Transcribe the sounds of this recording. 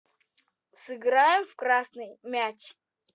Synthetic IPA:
sɨɡɾajɪmfkɾasnɨjmʲæt͡ɕ

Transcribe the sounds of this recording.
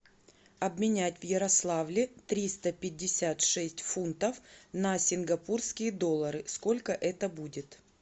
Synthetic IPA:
ɐbmʲɪnʲætʲvjɪɾɐslˠavlʲɪt̪ɾʲist̪əpʲɪdʲːɪsʲat̪ʂɛsʲtʲfunt̪əfnɐsʲɪnɡɐpurskʲɪjəd̪o̞lˠːəɾɨsko̞lʲkəʔɛt̪əbudʲɪt̪

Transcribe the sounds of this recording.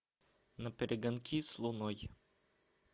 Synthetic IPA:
napɛɾɛɡankʰʲislˠunɔj

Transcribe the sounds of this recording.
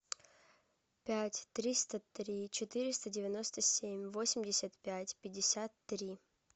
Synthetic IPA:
pʲætʲt̪ɾʲist̪ət̪ɾʲit͡ɕɪt̪ɨɾʲɪst̪ədʲɪvʲɪno̞st̪əsʲemʲvosʲɪmʲdʲɪsʲət̪pʲætʲpʲɪdʲːɪsʲat̪ːɾʲi

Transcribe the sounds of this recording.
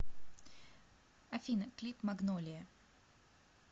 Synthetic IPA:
ɐfʲinəklʲipmɐɡnolʲɪjə

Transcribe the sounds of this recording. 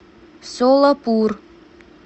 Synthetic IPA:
soləpur

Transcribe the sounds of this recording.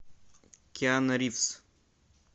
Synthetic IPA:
kʲjanɐɾifs

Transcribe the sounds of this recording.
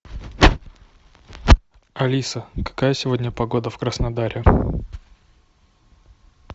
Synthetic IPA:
ɐlʲisəkɐ̥kajəsʲɪvo̞dʲnʲəpɐɡo̞d̪əfkɾəsnɐd̪aɾʲʔɪ

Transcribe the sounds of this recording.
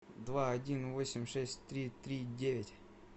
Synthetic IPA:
d̪vaɐdʲinvo̞sʲɪmʲʂɛsʲtʲt̪ɾʲit̪ɾʲidʲevʲɪtʲ

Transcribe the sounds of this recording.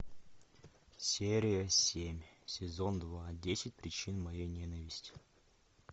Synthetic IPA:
sʲeɾʲɪjəsʲemʲsʲɪzo̞nd̪vadʲesʲɪt̚ʲpɾʲɪt͡ɕinmɐjejnʲenəvʲɪsʲtʲɪ̥

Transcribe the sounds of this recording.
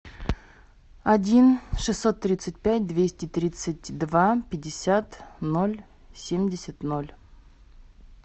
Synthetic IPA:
ɐdʲinʂɨsːot̪ːɾʲit̪sɨt̚ʲpʲæt̚ʲd̪vʲesʲtʲɪt̪ɾʲit̪sɨt̚ʲd̪vapʲɪdʲːɪsʲat̪nolʲ | sʲemʲdʲɪsʲɪt̪nolʲ

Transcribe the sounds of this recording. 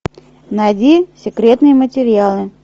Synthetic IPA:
najdʲisʲɪkɾʲe̞t̪nɨjəmətʲɪɾʲɪjalˠɨ

